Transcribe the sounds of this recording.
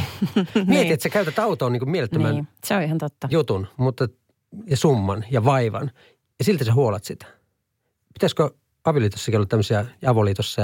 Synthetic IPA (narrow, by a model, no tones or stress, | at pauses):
miet̪iet̪sekæyt̪æt̪ɑut̪oːniːkumielet̪ːæmænseoihɑnt̪ot̪ːɑjut̪unmut̪ːe | jɑsumːɑnjɑʋɑiʋɑ̰n | jɑsilt̪æsehuolɑt̪sit̪æ̥ | pit̪æsko | ɑʋiliːt̪osːɑkiolːɑt̪æmːøsiɑjɑʋoliːt̪osːɑ